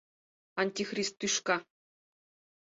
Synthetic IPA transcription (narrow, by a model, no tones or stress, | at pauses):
ɐnʲtʲixrʲist̪̚ːuʂkɑ